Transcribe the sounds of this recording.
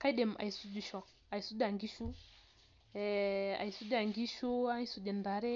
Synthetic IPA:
ka˦i˦ɗɛ˨mʔa̰˨i˨su˦du˨ʃɔ˨ | a˨i˨su˦da˨ŋɡi˦ʃu˦ | ɛa̰˨i˨su˦da˨ŋɡi˦ʃu˦a˦ŋi˦su˨dɛ˨nda˨˦ɾɛ˦

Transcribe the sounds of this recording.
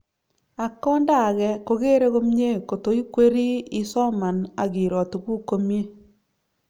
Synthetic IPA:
a˨kɔ˦nda˦˨ɣɛ˦ko˨ɣe˦ɾe˦ɣo˦mɲe˦ko˨to˨i˦kwe˦ɾi˦i˦sɔ˦ma˨na˨ɣi˨ɾɔ˨to˨ɣwu˦ko˦mje˦

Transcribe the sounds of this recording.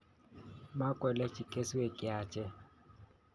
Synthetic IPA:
ma˦kʼwɛ˨lɛ˦t͡ʃʼi˨kʼe˦si˦we˨kʼɪ˦aː˨t͡ʃʰʼɛ˦

